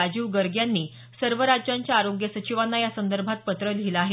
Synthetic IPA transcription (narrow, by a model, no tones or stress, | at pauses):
ad͡ʑiːʋɡəɾɡjanːiː | səɾʋəɾad͡ʑjaɲt͡ɕjaːɾoɡjəsət͡ɕiʋanːajasənd̪əɾbʱat̪̚pət̪ɾəlʱilaɦe